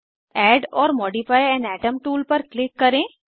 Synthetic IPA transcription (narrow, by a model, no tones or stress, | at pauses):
ɛːɖɔːɾmɔːɖifaːjɛ̃ːnɖɛːʈəmʈuːlpɐɾklɪkːɐɾẽː